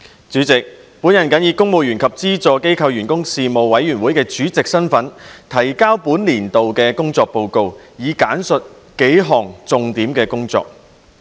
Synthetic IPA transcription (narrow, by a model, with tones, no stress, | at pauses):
t͡syː˨˥t͡sɪ˨k̚puː˨˥njɐ˨˩nkɐ˨˥njiː˧kʊ˥ŋmo˨˧wjyː˨˩nkʰɐ˨p̚t͡siː˥t͡sɔː˧ke˥jkʰɐ˧wjyː˨˩nkʊ˥ŋsiː˨˧mo˨wwɐ˨˥jːyː˨˩nwuː˨˥jkɛː˧t͡ʃyː˨˥t͡sɪ˨k̚sɐ˥nfɐ˨˥nt̪ʰɐ˨˩jkaː˥wpuː˨˥nliː˨˩nt̪o˨wkɛː˧kʊ˥ŋt͡sɔː˧k̚po˧wko˧wjiː˨˧kaː˨˥nsɵ˨t̚ | ke˨˥jɦɔː˨˩ŋt͡sʊ˨˧ŋt̪iː˨˥mkɛː˧kʊ˥ŋt͡sɔ̰ː˧k̚